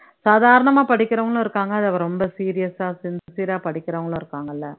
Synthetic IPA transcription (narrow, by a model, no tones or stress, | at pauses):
saːðaːɾɐɳɐmaːpɐɽɪkːɪɾɐʋɐŋɡɐɭõːɪɾɯkːaːŋɡɐɐðɐʋɐɾɾɔmbɐsiːɾɪjɐsaːsɪnd̪siːɾaːpɐɽɪkːɪɾɐʋɐŋɡɐɭõːɪɾɯkːaːŋɡɐlːɐ